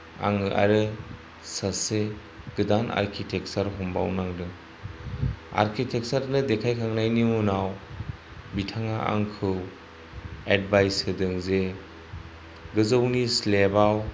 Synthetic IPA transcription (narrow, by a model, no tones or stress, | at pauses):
a̰ŋɯʔa̰ɾɯ | sase | ɡ̥ɯdanʔa̰ɾkʰitʰek̚saɾɦɔmba̰wnaŋdɯ | a̰ɾkʰitʰek̚saɾnɯdekʰajkʰaŋnajnimunaw | bitʰaŋaa̰ŋkʰɯw | ed̚bajsɯdɯŋze | ɡɯzownislebaw